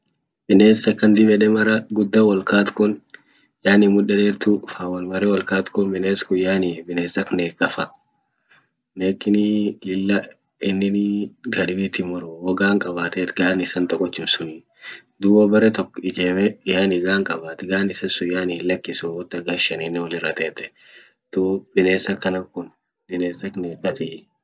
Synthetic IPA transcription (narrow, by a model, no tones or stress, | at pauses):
bɪneːsɐkːɐnd̪ɪbɛᶑɛmɐɾɐɡʊd̪ːɐwɐlkaːt̪kʊn | jaːnɪmʊᶑːɐd̪eːɾt̪ʊfaːwɐlmɐɾɛwɐlkaːt̪kʊnbɪneːskʊjaːnibɪneːsɐkneːkʼːɐfɐ | neːkːɪnɪlɪlːɐ | ɪnːɪnɡɐᶑbiːt̪ɪmʊɾʊwɔɡaːŋkʼɐbaːt̪eːt̪ɡaːnɪsɐnt̪ʼɔkʼːɔt̪ːɪmsʊni | d̪ʊwɐbɐɾɛt̪ɔkːɪd͡ʒeːmɛjaːnɪɡaːŋkʼɐbaːt̪ɡaːnɪsɐsʊjaːnɪɪlɐkːɪsʊwɔt̪ːɐɡaʃɐniːnːɛwɔlɪrːɐt̪eːt̪ɛ̥ | t̪uːbɪneːsɐkːɐnɐkʊn | bɪneːsɐkneːkʼːɐt̪ɪ